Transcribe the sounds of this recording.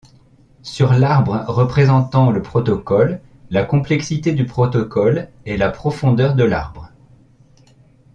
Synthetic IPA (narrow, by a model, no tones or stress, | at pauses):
syʁlaʁbʁəʁəpχezɑ̃t̪ɑ̃ləpχɔt̪ɔkɔlː | akɔ̃plɛksit̪ed̪ypχɔt̪ɔkɔl | ɛlapχɔfɔ̃d̪œʁd̪əla̰ʁbʁə